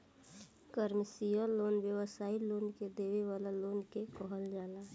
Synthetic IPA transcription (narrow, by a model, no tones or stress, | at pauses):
kəɾmsijəloːnʋjəʋəsaːiloːnked̪eːʋeʋaːlaloːnkekɔɦəld͡ʒaːlaː